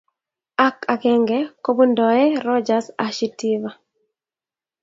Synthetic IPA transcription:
a˦ka˨kɛ˦ŋɡɛko˦bu˦ndɔɛ˦ɾɔ˦d͡ʒasa˨ʃi˦tiβa

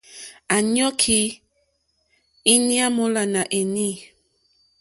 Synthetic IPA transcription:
a˨ɲɔ˦kʰi˦ | i˦ni˦a˦mo˦la˨na˨ʔe˨ni˦˨

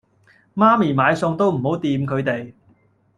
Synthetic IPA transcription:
maː˥miː˨˩maː˨˧jsʊ˧ŋt̪o˥wm̩˨˩ho˨˥wt̪iː˧mkʰɵ˨˧ɥt̪e˨j

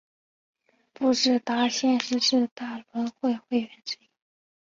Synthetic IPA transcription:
pu˥˧ʂɻ̩˥˩t̪a˧˥ɕjɛ˥˧nʂɻ̩˥˧ʂɻ̩˥˧t̪a˥˩lwə˧˥nxwe˥˧ɪxwe˥˩ɪɥɛ˧˥nʈ͡ʂɻ̩˥˩i˥

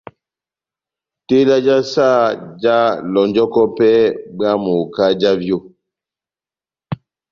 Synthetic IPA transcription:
te˦la˦d͡ʒa˦sa˦˨d͡ʒa˦lɔ˨nd͡ʒɔ˦kɔ˦pɛ˦ɓa˦mo˨ka˦d͡ʒa˦vjo˦˨

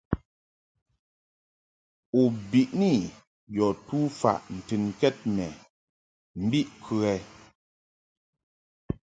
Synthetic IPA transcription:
u˨bi˨ʔni˦˨ | jɔ˨tu˦fa̰˨ʔn̩˨tɨ˨nkɛ˦t̚mɛ˨ | m̩˦bi˦ʔkʰʉ˨ɛ˨

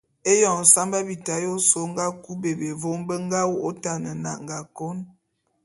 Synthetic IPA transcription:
e˦jɔ˨ŋ˨sa˦mba˦bi˨ta˨jo˦so˦ŋ˦ɡa˦ku˦be˨be˨vo˦mbə˦ŋ˦ɡa˦wo˦ʔo˦ta˦˨nə˨na̰˨ʔŋ˨ɡa˨ko˦n

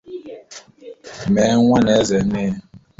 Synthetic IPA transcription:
mɛ˨˦ŋʷa˦ne˨˦ze˨˦nɪ˦

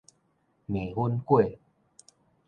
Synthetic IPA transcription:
mẽ˨˩˨hu˦nkwe˥˨

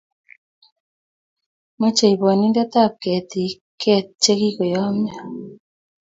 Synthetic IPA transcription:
mo˦t͡ʃe˨i˨βɔ˨ni˦nda˦t̪a˦˨p̚kɛ˨t̪i˨ | kʰɛ˦t̚t͡ʃe˦ki˦ko˨jɔ˦mja˦

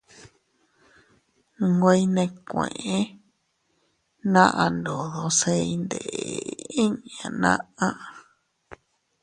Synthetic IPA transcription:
ɡʷe˧i˦˧nẽ˧kʷḛ̃˨ʔẽ˦ | nã˦ʔã˧nd̪o˨ðo˧se˧i˧nd̪ḛ˨ʔḛ˨ĩ˦ɲã˨nã̰˦ã˦ʔ

